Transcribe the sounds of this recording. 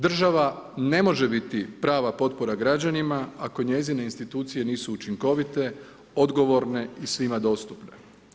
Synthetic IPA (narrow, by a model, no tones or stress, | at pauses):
d̪r̩ʒaʋane̞mo̞ʒe̞bit̪ipɾaːʋapo̞t̪̚po̞ɾaɡɾad͡ʑanimaako̞ɲe̞zine̞inst̪it̪uːt̪sije̞niːsuːt͡ʃiŋko̞ʋit̪e̞ | o̞d̪ɡo̞ʋo̞ɾne̞isʋimad̪o̞ːst̪upne